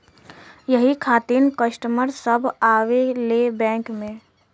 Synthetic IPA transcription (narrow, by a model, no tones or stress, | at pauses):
jəɦikʰaːt̪iːnkəsʈəməɾsəbaːʋelebɛ̃ːkmẽ